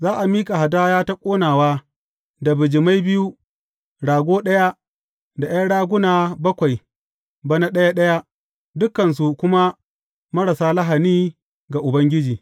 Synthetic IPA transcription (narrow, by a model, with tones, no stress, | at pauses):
zaː˦ʔa˨miː˦kʼa˨ha˨daː˦jaː˦ta˦kʷʼoː˦naː˨waː˦ | da˨bɪ˨d͡ʒɪ˨ma˦jbɪ˦ju˦ | ɽaː˨ɡʷoː˦ɗɐ˦ja˦ | da˨ja˦ɽaː˦ɡʷʊ˦naː˨bɐ˦kʷa˨j | bɐ˦na˦ɗɐ˦ja˦ɗɐ˦ja˦ | dʊ˦kːɐ˨ns̬u˨kʷʊ˦ma˦ | mɐ˦ɽɐ˨saː˦lɐ˦ɦa˨niː˦ | ɡa˨ʔʊ˨bɐ˦ŋɡʲɪ˦d͡ʒiː˨